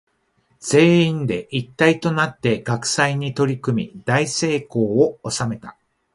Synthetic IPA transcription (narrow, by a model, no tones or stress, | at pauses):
z̥e̞ːĩnd̪e̞ʔit̪ːait̪o̞nat̪ːe̞ɡ̥akɯ̟̥saiɲ̟it̪o̞ɾʲikɯ̟mʲḭd̪aise̞ːko̞ːoosame̞t̪a